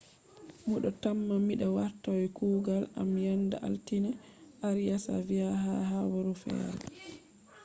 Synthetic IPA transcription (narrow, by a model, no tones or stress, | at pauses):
muɗɔtamːamːiɗawaɾtawɛkuːɡalamjandaʔa̰ltinɛ | ʔaɾijasa̰viaɦaɦabɔɾufɛ̰a̰l